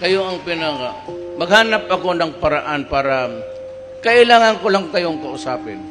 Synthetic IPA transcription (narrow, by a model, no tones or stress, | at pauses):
kɐjoɐŋpɪnɐka | mɐɡ̚haːnɐpɐko̞nɐŋpɐɾɐʔanpaːɾɐ | kɐʔɪlaːŋɐnkolaŋkɐjoŋkɐʔʊsaːpɪn